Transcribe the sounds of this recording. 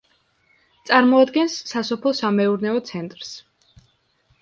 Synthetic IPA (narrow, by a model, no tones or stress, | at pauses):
t̪sʼaɾmɔad̪ɡɛnsːasɔpʰlˠɔsamɛuɾnɛɔt̪sʰɛnt̪ʼɾs